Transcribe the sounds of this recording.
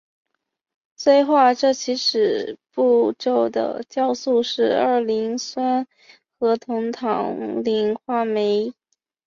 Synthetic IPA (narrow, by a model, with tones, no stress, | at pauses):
swe˥˧ɪxwa˥˧ʈ͡ʂɤ˥˩t͡ɕʰi˧˥ʂɻ̩˨˩pu˥˧ʈ͡ʂo˥˩ʊd̪ə̰˩t͡ɕjɑ˥˧ʊsu˥˧ʂɻ̩˥˧ə˞˥˩li˧˥ŋswa˥n | xɤ˧˥t̪ʰʊ˧˥ŋt̪ʰɑ̰˨˩˦ŋli˧˥ŋxwa˥me˧˥ɪ